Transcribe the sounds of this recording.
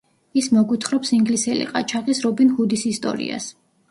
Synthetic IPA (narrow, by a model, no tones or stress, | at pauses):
ismɔɡut̪ʰχɾɔpsiŋɡlisɛlḭqʼa̰t͡ʃʰaχisɾɔbinhud̪isist̪ʼɔ̰ɾḭa̰s